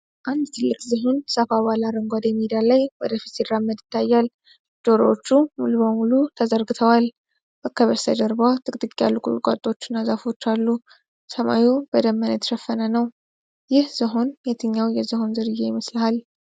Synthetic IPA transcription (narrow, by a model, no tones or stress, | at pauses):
ʔand̪t̪ʰɨlːɨkʼzəɦo̞nsəfaβalaɾəŋɡʷad̪emid̪ijalajwɔd̪əfi̥t̪siɾːamːəd̪ɪ̥t̪ʰːajːal | d̪̥o̞ɾoot͡ʃːumuluβəmulut̪ʰəzəɾɡɨt̪ʰəwal | bəkʰːəβəsʰəd̪əɾbat̪ʼɨkʼt̪ʼɨkʼːja̰lːukʼṵkʼa̰t̪ʼːot͡ʃːɪnːazafo̞t͡ʃːalːu | səma̰jubəd̪əmːənət̪ʃɛfːənənəw | jɪhz̥əɦo̞njet̪ʰɨɲːawjɛzɨho̞nzɨɾɨjːejɪməslhal